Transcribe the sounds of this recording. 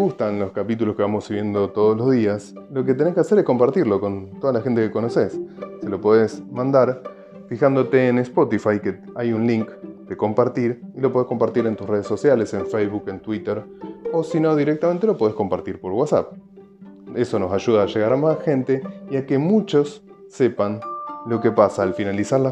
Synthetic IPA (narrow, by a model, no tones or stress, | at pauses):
ɣust̪anlo̞skapit̪̬uloskeβamosiβje̞nd̪o̞t̪oðoslo̞zðiaslo̞k̬et̪e̞nehkease̞ɾehko̞mpaɾt̪iɾlo̞ko̞nt̪o̞ðalaxe̞nt̪ekeko̞no̞se̞sːelo̞poðesmãnd̪aɾ | fixand̪o̞t̪e̞ːnespo̞t̪ifajke | ajunliŋkd̪̥eko̞mpaɾt̪iɾilop̬oðeko̞mpaɾt̪iɾent̪usre̞ð̞esːosjalese̞ɱfejzβuke̞nt̪wit̪eɾosino̞ðiɾek̚t̪ament̪elo̞po̞ðesko̞mpaɾt̪iɾpo̞ɾwasa̰p̚ | eso̞no̞saʒuðaːʒeɣaɾamasxe̞nt̪e̞iakemut͡ʃo̞sː | e̞panlo̞kepasaːlfinalisaɾla